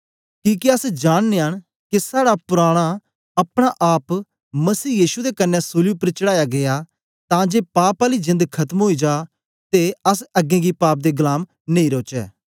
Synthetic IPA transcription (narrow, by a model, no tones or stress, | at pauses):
kĩːkiəsd͡ʒaːɽ̃neːəɽ̃ | kisaːɽapʊɾaːɽ̃a | ɐpɽ̃aʔaːp | mɐsiːjiːʃud̪ekənːɛsoːlijupəɾt͡ʃəɽaːjaɡɪja | t̪ãːd͡ʒeːpaːpaːlid͡ʒɪ̃nd̪kʰɐt̪əmɦoːid͡ʒaː | t̪eəs̬ɐɡẽːɡipaːp̚d̪eːɡʊlaːm | nẽĩːɾoːt͡ʃɛː